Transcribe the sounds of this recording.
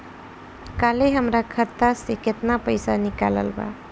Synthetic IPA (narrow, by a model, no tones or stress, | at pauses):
kaleɦəmɾakʰət̪ːaseket̪napəjsanikalə̰lba̰